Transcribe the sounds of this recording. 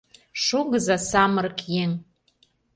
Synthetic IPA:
ʃuɣəzasɑmərkjeŋ

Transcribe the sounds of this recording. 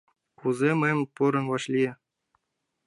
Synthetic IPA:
uzʲemɘmʲpuɾɤ̆nʋɑɕlʲi

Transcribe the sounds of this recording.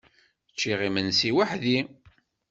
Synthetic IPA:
t͡ʃːiʁimənsiwaħði

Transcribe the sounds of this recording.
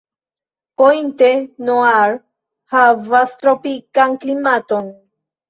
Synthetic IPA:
pojnt̪enoaɾ | havast̪ɾopikaŋklimat̪on

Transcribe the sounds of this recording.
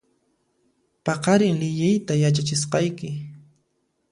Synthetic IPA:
pɑqɑɾɪŋlɪʎɪjt̪ajat͡ʃat͡ʃɪsqɑjkɪ

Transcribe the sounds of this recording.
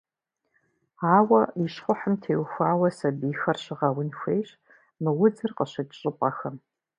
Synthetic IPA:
aːwɐiʃχʷʊħəmtʰeːwxʷaːwɐsɐbiːxɐrɕɪʁɐwʊnxʷejɕ | mɨwʊd͡zɨrqəɕɐdʼɕʼɨpʼɐxɐm

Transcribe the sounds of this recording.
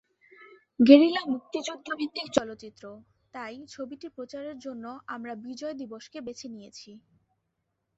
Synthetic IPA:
ɡeɾilamuk̚t̪it͡ɕod̪ʰʱːɾobʱid̪ikt͡ɕɔlot̪ːɕit̪ːɾo | t̪ajt͡ɕʰobiʈipɾot͡ɕaɾeɾd͡ʑonːoʔamɾabid͡ʑɔed̪iboʃkebet͡ɕʰenijet͡ɕʰi

